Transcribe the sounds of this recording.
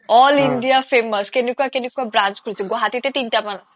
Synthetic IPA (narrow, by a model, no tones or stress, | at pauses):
ɔliɳɖijapʰeməskenekuakenekuabɾant͡ʃkuɾt͡sʰiɡɔɦat̪it̪et̪inʈaman